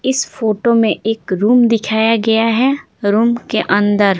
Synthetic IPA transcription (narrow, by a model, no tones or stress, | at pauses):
ɪsfoːʈomẽʔeːkɾuːmd̪ɪkʰaːjaɡɐjaɦɛ | ɾuːmkeʔɐ̃nd̪əɾ